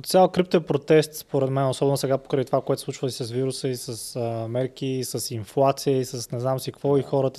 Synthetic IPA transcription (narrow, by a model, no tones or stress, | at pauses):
ot̪sjalˠkɾip̚t̪oɛpɾot̪ɛst̪spoɾɛd̪mɛnosɔbɛnosɛɡapo̥kɾət̪ovakoɛt̪ʊ̥sˠut͡ʃvət̪isɐsviɾusəisəsmɛɾk̟isəsinflˠat̪sijəisəsnɛznamsikvɔixɔɾət̪ə